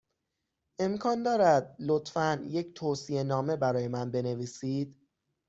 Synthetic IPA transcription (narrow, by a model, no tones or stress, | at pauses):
ʔe̞mkʰɒːnd̪ɒːɾæd̪lot̪fænje̞cʰt̪ʰoːsie̞nɒːme̞bæɾɒːje̞mænbe̞ne̞viːsiːd̪̥